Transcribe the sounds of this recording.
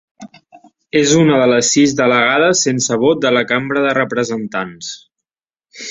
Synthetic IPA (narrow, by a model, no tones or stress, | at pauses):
ezunəðələsːizðələɣaðəsensəβ̞ot̪̚d̪ələkambɾəðərəpɾəzənt̪ans